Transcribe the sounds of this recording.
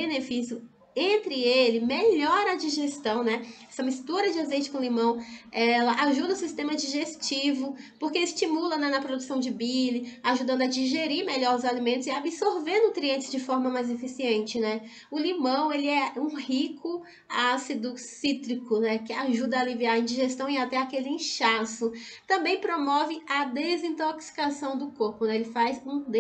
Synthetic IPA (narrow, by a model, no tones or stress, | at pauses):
enefisjʊ | ẽnt̪ɾɪelɪmeʎɔɾɐd͡ʒiʒest̪ɐ̃w̃nɛɛsɐmist̪uɾɐd͡ʒɪazejt͡ʃɪ̥kõlimɐ̃w̃ɛlɐʔaʒud̪ɐʊsist̪ẽmɐd͡ʒiʒest͡ʃivʊpoɾkeist͡ʃimulɐnɛnɐpɾod̪usɐ̃w̃d͡ʒɪbilɪaʒud̪ɐ̃nd̪ʊɐd͡ʒiʒeɾiɾmeʎɔɾʊzalimẽnt̪ʊziabisoɾvẽnd̪ʊt̪ɾiẽnt͡ʃɪzd͡ʒɪfɔɾmɐmajzefisiẽnt͡ʃɪnɛ | ʊlimɐ̃w̃elɪɛũhikʰʊ | asid̪ʊsit̪ɾikʊnɛkɪaʒud̪ɐaːliviaĩd͡ʒiʒest̪ɐ̃w̃iat̪ɛakelɪĩʃasʊ | t̪ɐ̃mbẽj̃pɾomɔvɪɐd̪ezĩt̪oksi̥kasɐ̃w̃d̪ʊkoɾpʊnɛelɪfajzũd̪